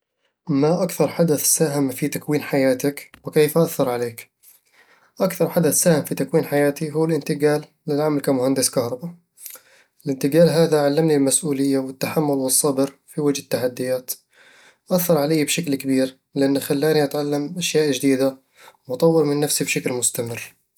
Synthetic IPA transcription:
maʔakθɑɾˤħad̪aθsaːɦɪmfit̪akwiːnħajaːt̪akwɪkeːfʔaθːɑɾˤʕaleːk | ʔakθɑɾˤħad̪aθsaːhɪmfit̪akwiːnħajaːt̪iɦuwːɪlʔɪnt̪ɪɡaːlːɪlʕamalkamʊhand̪ɪskɑhɾˤɑba | ɪlʔɪnt̪ɪɡaːlɦaːðaʕalːamnilmasʔuːlɪjːawɪt̪ːaħamːʊlwɨsˤːɑbɨɾfiwad͡ʒhɪt̪ːaħad̪ːɪjaːt̪ | ʔaθːɑɾˤʕalajːbʃaklkabiːɾ | lɪʔanːxalːaːniʔat̪ʕalːamʔaʃjaːʔd͡ʒd̪iːd̪a | mɑt̪ˤɑwːɪɾmɪnːafsibʃaklmʊst̪amɪrː

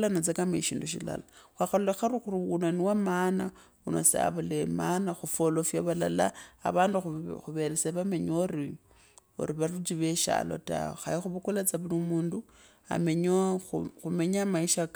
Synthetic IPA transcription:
lanot͡sekameʃiːnduʃḭla̰laxwaxalulexaɾuxuruunaniwamana | unosḛa̰βulemanaxufolofjaβala̰laa̰βaːndixxuβeɾet͡seβame̞ɲoɾi | o̰ɾiβarut͡ʃiβeʃa̰lo̞̰ta̰oxa̰ixuβukulat͡saβulimuːndu | a̰meɲoxume̞ɲaːmaiʃak

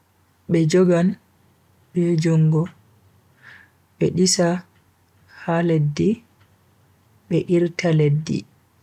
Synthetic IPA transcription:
ɓɛd͡ʒɔɡan | ɓɛd͡ʒɔŋɡɔ | ɓɛɗisa | haledːi | ɓɛʔiɾtaledːḭ

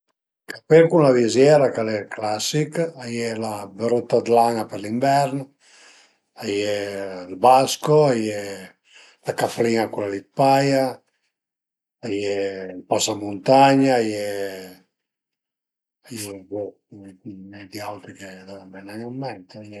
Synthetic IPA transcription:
kapeɾkunlavizjɛɾakalɛklasikajɛlabeɾot̪ːad̪laŋapeɾliɱvɛɾn | ajɛlbaskoajɛ | lakafliŋakulalit̪̚paja | jɛpasamunt̪aɲaːjɛ | ajɛvo | nɛd̪iawt̪ɾiked̪avɛmbɛnaɲamːɛnt̪eajɛ

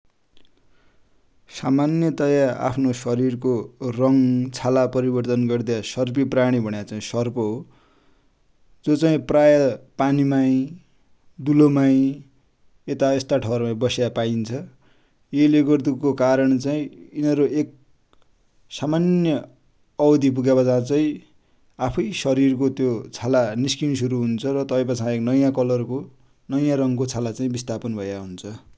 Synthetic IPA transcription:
samanjʌt̪ʌjaa̰pʰnosʌɾirkorʌŋt͡sʰalapʌɾibʌrt̪ʌnɡʌrd̪jasʌrp̬ipraɽ̃ibʱʌɽ̃jat͡saĩsʌrpʌɦo | d͡zot͡saĩprajʌpanimaĩ | d̪ulomaĩ | et̪aest̪aʈʰʌrmaĩbʌsjapaint͡sʰʌ | jeleɡʌrd̪ukokaɾʌɳt͡saĩinʌɾoek̚ | samanjʌ | ʌwd̪ipuɡabʌt͡sãt͡saĩ | apʰʌjsʌɾirkot̪jot͡sʰalaniskins̬uɾuɦunt͡sʰʌrʌt̪ʌj̃pʌt͡sʰãeknʌjãkʌlʌrko | nʌjãɾʌŋkot͡sʰalat͡saĩbist̪apʌnbʱʌjaɦunt͡sʰʌ

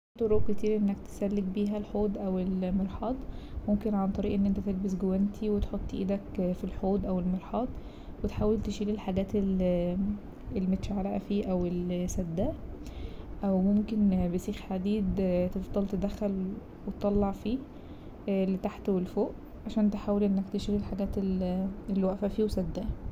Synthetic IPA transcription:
t̪ˤoɾoːk̚ket̪iːɾʔenːækt̪e̥sælːeɡ̚biːɦælħoːd̪ʔæwelmeɾħɑːd̪ˤmomkenʕant̪ˤɑɾiːʔenːʔent̪æt̪elbesɡowænt̪ʰiwet̪ħot̪ˤːʔḭːd̪ækfilħoːd̪ʔæwelmeɾħɑːd̪ˤ | wet̪ħaːwelt̪eʃiːlilħaɡæːt̪el | ʔelːimet̪ʃaʕalæʔæfiːʔæwelsæd̪ːæ | ʔæwmomkenbesiːxħad̪iːd̪t̪efd̪ˤɑlt̪ed̪æxːæl | wet̪t̪ːˤɑlːɑʕfiː | let̪aħt̪welfoːʔ | ʕaʃæːnt̪̬eħaːwelʔenːækt̪eʃiːlilħaɡæːt̪elelːwæʔfæfiːwesæd̪ːæʔ

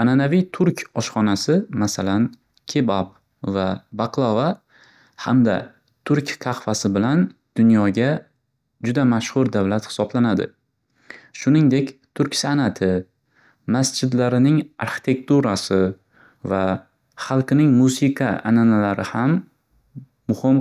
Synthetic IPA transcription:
ananavijt̪ʰʊɾkʲɒʃχɒnasɪmasalan | kʲʰebab | vabaqlˠava | hamd̪a | t̪ʰʊɾkʲqʰɑχfasɪbɪlan | d̪̥ʊnjɒɡʲa | d͡ʒʊd̪amaʃhʊɾd̪avlat̪hɪ̥sɒblanad̪ɪ̰ | ʃʊnɪŋd̪e̞kʲt̪ʰʊɾkʲsanat̪ʰɪ | masd͡ʒɪd̪laɾɪnɪŋa̰ɾχɪ̥t̪ʰe̞kt̪ʰuɾasɪ | va | χɑlˠqɪnɪŋmusiqʰaʔa̰nanalaɾɪhamː | ʊhɪm

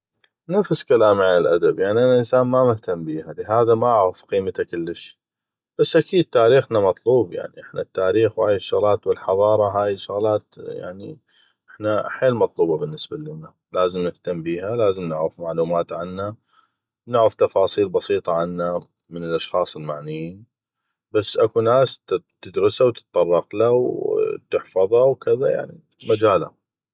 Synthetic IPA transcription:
nafskalaːmʕanɪlʔa̰d̪abjaʕniʔanaʔɪnsaːnmamɪht̪ambiːhalɪɦaːðamaʔʕɣafqiːmat̪akɪlːɪʃ | b̥asːʔakiːd̪̚t̪aːɾiːxnamɑt̪ˤluːbja̰ʕniʔɪħnat̪ːaːɾiːxwaːjɪʃːʊɣlaːt̪wɪlħɑðˤɑːɾˤɑɦaːjɪʃʊɣlaːt̪ja̰ʕnḭ | ʔɪħnaħeːlmɑt̪ˤluːbɑbɪnːɪsbalɪnːa | laːzɪmnɪft̪ambiːɦalaːzəmnɪʕɾɪfmaʕluːmaːt̪ʕanːa | nʊʕɾaft̪ɑfɑːsˤiːlbɑsiːt̪ˤɑʕanːa | mənɪlʔɑʃxɑːsˤɪlmaʕnɪjiːn | basːʔakunaːst̪ɪd̪ɾɪsawt̪ɨ̥t̪ˤt̪ˤːɑrˤːɑqlawt̪ɪħfɑðˤɑwkɪðaja̰ʕnḭ | mad͡ʒaːla̰

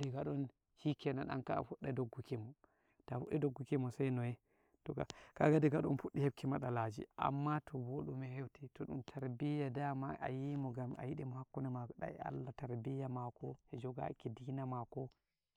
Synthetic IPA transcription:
dɛɡaɗɔn | hikɛna̰na̰nka̰fuɗːɛdoɡːukimɔ | tafuɗːɛdoɡːukimɔsajnɔjɛ | tɔka̰kaɡadiɡaɗɔnfuɗːihɛb̚kimaɗalad͡ʒḭʔa̰mːatʰɔboɗumɛhewtitɔɗṵntʰaɾbijadamaʔa̰jimɔɡama̰jiɗimɔhakːunɛmaɗa̰a̰lːataɾbijamakɔhɛd͡ʒɔɡa̰kidinamakɔ

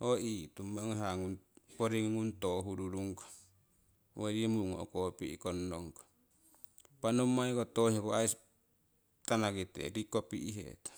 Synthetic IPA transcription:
oʔit̪umaŋɦaŋunpoɾiŋŋunt̪oɦuɾuɾuŋkḁ | waɾiemuuŋo̰kopiḭkonːoŋkḁ | panomːaikot̪ohikoais | t̪anakit̪ḛɾikopiʔiɦḛt̪ḁ

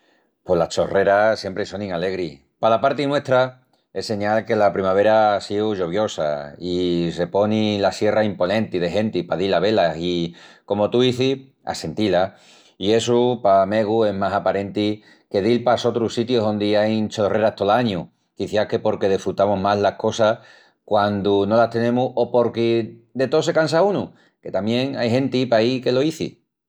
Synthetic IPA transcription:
po̞lat͡ʃo̞̰re̞ɾasje̞mpɾeso̞nĩŋale̞ɣɾi | palapaɾt̪inwe̞ht̪ɾa | e̞se̞ɲalke̞lapɾimaβ̞e̞ɾaasiuʝo̞β̞jo̞sa̰ise̞po̞nĩlasje̞raimpo̞nẽ̞nt̪ið̞e̞ɦe̞nt̪ipaðilaβ̞e̞lasiko̞mo̞t̪uiθi | a̰se̞nt̪ila | ie̞supame̞ɣue̞ɦmasapaɾe̞nt̪i | ke̞ðilpaso̞t̪ɾusit̪joɦo̞nd̪iajnt͡ʃore̞ɾaht̪olaɲu | kiθjake̞po̞ɾke̞ð̞efɾut̪amoɦmaɦlahko̞sa | kwand̪uno̞laht̪e̞nẽ̞muo̞po̞ɾked̪e̞t̪ose̞kans̬aunu | ke̞t̪amje̞ŋajɦẽ̞nt̪ipaike̞lo̞iθḭ

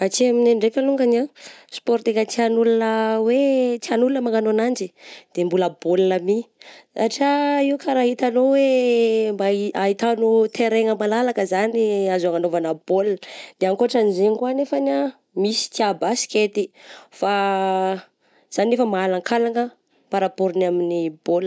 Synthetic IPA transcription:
at͡ʃiaminaɳɖ͡ʐekʲəluŋɡanaspɔɾt̪ekat͡s̪ianulunəwet͡sianulunəmaŋanonand͡ʒid̪̥embulabolunamisaʈ͡ʂaiukʰaɾaɦit̪anowembaiait̪anut̪ʰeɾeŋəmalalakəzaniazaŋanovanəb̥old̪̥eaŋkoaʈ͡ʂanizeŋkuanefana | misi̥t̪iabasi̥kʲet̪ifa | z̥anefəmaalaŋkʰalaŋə | paɾapoɾinaminib̥ol

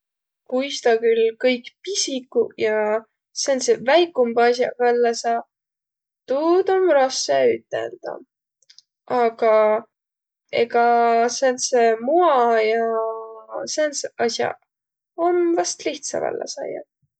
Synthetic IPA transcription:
kujst̪ɑkylkɤjkpisikːˑujɑ | sensevæjkːˑumbɑsjɑ̰vælːesɑ | t̪uːd̪omɾɑseyt̪ːˑḛld̪̥ɑ̰ | ɑɡ̥ɑ | ḛɡɑsensemuɑjɑ | sensɑsʲjɑ̰ | o̞nvɑst̪liht̪sɑ̰væ̰lːḛsɑ̰jɑ̰

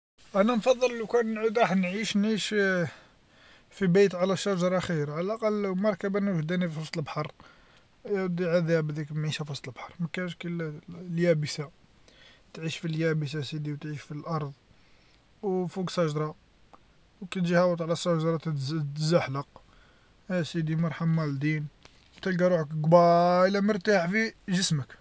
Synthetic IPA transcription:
ʔænænfɑd̪ˤːəlːukænːʕud̪ɾˤɑħnʕiʃnʕiʃ | fibæjt̪ʕalæʃːæʒɑɾˤɑxiɾʕlælʔɑqɑlmɑɾˤkæbænuʒd̪ænififɑsˤt̪ˤəlbħɑɾˤ | d̪iʕad̪æbd̪ikmʕiʃæfɑsˤt̪ˤəlbħɑɾˤmækænʃkilljæbəsa | t̪ʕiʃfiljæbəs̬asid̪iwt̪ʕiʃfilʔɑɾˤðˤ | wfuɡsˤɑʒd̪ɾˤɑ | wkæt̪ʒihæwət̪ˤʕlæsˤɑʒd̪ɾˤɑt̪zaħləq | æsid̪imɑɾˤħamːæld̪in | t̪ælɡæɾˤuʕəkɡbɑəlːæməɾt̪aħfiʒəsmək

